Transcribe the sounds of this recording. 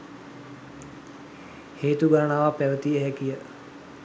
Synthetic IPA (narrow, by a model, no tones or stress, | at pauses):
heːt̪uɡaɾəɳaʋapæʋət̪iɛɦɛkijə